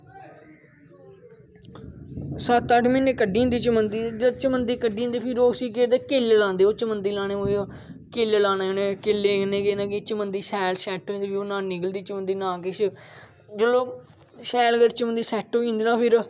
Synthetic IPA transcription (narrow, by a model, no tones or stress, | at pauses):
sət̪ːəʈʰmɪneːkəɖĩːnd̪iːt͡ʃəmənd̪iːd͡ʒəɾt͡ʃəmənd̪iːkəɖĩːnd̪eːpʰɪɾoːsiːk̬eːɾd̪eːkeːlelãːnd̪eːoːt͡ʃəmənd̪iːlaːneːmoo | keːlelaːnaːoːnekeːlːeːneːkeːnãːkeːt͡ʃəmənd̪iːsɛːlsɛːʈːoĩːnd̪eːpionãːnɪɡəld̪iːt͡ʃəmənd̪iːnãːkeʃ | d͡ʒoːloː | sɛːlɡəɾt͡ʃəmənd̪iːsɛːʈːoːĩːnd̪eːnaːpʰɪɾ